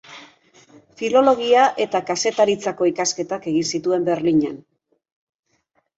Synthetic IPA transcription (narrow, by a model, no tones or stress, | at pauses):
filo̞lo̞ɣ̞iaʔe̞t̪akase̞t̪aɾit͡sako̞ikaske̞t̪ake̞ɣinsit̪ue̞mbe̞ɾliɲa̰n